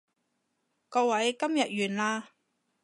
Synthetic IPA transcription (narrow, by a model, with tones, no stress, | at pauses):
kɔː˧wɐ˨˥jkɐ˥mjɐ˨t̚jyː˨˩nlaː˧